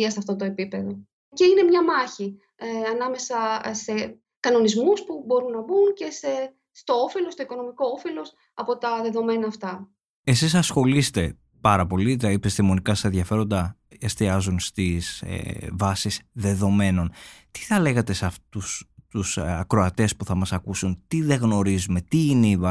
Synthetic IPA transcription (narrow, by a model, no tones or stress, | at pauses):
ɐsɐft̪o̞t̪o̞e̞pipe̞ðo̞ | ce̞ine̞mɲɐmɐçi | ɐnɐme̞sɐse̞ | kɐno̞nizmuspubo̞ɾunːɐbunce̞se | st̪o̞ofelo̞st̪oiko̞no̞miko̞ofelo̞s | ɐpo̞t̪ɐðe̞ðo̞me̞nɐːft̪ɐ | e̞sisɐsxo̞list̪e̞ | pɐɾɐpo̞lit̪ɐipist̪imo̞nikɐst̪enðʝɐfe̞ɾo̞nd̪ɐest̪iɐzunst̪izḛvɐsizðe̞ðo̞me̞no̞nt̪i̥θɐle̞ɣɐt̪e̞sɐft̪ust̪usɐkɾo̞ɐt̪e̞spuθɐmɐsɐkusunt̪iðe̞ɣno̞ɾizume̞t̪iineivɐ